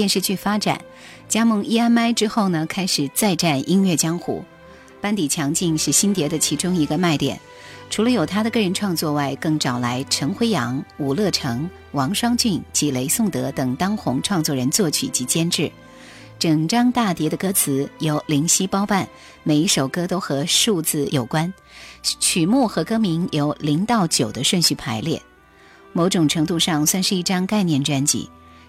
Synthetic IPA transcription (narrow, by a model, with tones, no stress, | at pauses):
jɛ˥˧nʂɻ̩˥˧t͡ɕy˥˩fa˥ʈ͡ʂa̰˨˩˦n | t͡ɕja˥mɤ˥˧ŋi˥a˥nma˥ɪʈ͡ʂɻ̩˥xo˥˩ʊnə˩kʰa˥ɪʂɻ̩˨˩t͡sa˥˧ɪʈ͡ʂa˥˩nʔi˥ŋɥɛ˥˩t͡ɕjɑ˥ŋxṵ˨˧˩ | pa˥nt̪i˨˩t͡ɕʰjɑ˧˥ŋt͡ɕi˥˧ŋʂɻ̩˥˩ɕi˥nt̪jɛ˧˥d̪ə˧t͡ɕʰi˧˥ʈ͡ʂʊ˥ŋi˧˥ɡə˧ma˥˩ɪt̪jɛ̰˨˩˦n | ʈ͡ʂʰu˧˥lə˧jo˨˩ʊt̪ʰa˥d̪ə˨kɤ˥˩ɻə˧˥nʈ͡ʂʰwɑ˥˧ŋt͡swɔ˥˧wa˥˩ɪkɤ˥˩ŋʈ͡ʂɑ˨˩ʊla˧˥ɪʈ͡ʂʰɤ˧˥ŋxwe˥ɪjɑ˧˥ŋu˨˩lɤ˥˩ʈ͡ʂʰɤ˧˥ŋ | wɑ˧˥ŋʂwɑ˥ŋt͡ɕy˥˩nt͡ɕi˧˥le˧˥ɪsʊ˥˩ŋt̪ɤ˧˥t̪ɤ˨˩ŋt̪ɑ˥ŋxʊ˧˥ŋʈ͡ʂʰwɑ˥˧ŋt͡swɔ˥˩ɻə˧˥nt͡swɔ˥˩t͡ɕʰy̰˨˩t͡ɕi˧˥t͡ɕjɛ˥nʈ͡ʂɻ̩˥˩ | ʈ͡ʂɤ˨˩ŋʈ͡ʂɑ˥ŋt̪a˥˩t̪jɛ˧˥d̪ə˧kɤ˥t͡sʰɹ̩˧˥jo˧˥ʊli˧˥ŋɕi˥pɑ˥ʊpa˥˩n | me˨˩ɪi˧˥ʂo˨˩ʊkɤ˥t̪o˥ʊxɤ˧˥ʂu˥˧t͡sɹ̩˥˩jo˨˩ʊkwa˥n | t͡ɕʰy˨˩mu˥˩xɤ˧˥kɤ˥mi˧˥ŋjo˧˥ʊli˧˥ŋt̪ɑ˥˩ʊt͡ɕjo˨˩ʊd̪ə˦ʂwə˥˧nɕy˥˩pʰa˧˥ɪljɛ̰˥˩ | mo˧˥ʊʈ͡ʂʊ˨˩ŋʈ͡ʂʰɤ˧˥ŋt̪̬u˥˧ʂɑ˥˩ŋswa˥˧nʂɻ̩˥˧i˥˩ʈ͡ʂɑ˥ŋka˥˧ɪnjɛ˥˩nʈ͡ʂwa˥nt͡ɕḭ˧˥